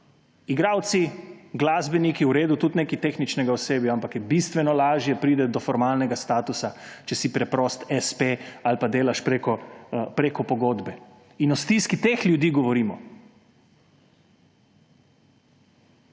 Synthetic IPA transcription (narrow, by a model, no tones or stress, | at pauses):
iɡɾaːwt̪siɡlazbɛnikiwɾeːd̪ut̪ut̪nekit̪exnit͡ʃnɛɡaɔseːbjaampakjɛbist̪ʋɛnɔlaːʒjɛpɾiːd̪ɛd̪ɔfɔɾmalnɛɡast̪aːt̪usat͡ʃɛsipɾɛpɾɔst̪ɛspealpad̪eːlaʃpɾekɔpɾekɔpɔɡoːd̪bɛ | inɔst̪iskit̪exlʲjud̪iːɡɔʋɔɾiːmɔ